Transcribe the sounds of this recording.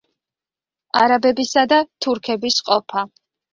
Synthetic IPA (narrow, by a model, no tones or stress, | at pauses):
aɾabɛbisad̪at̪ʰuɾkʰɛbisqʼɔpʰa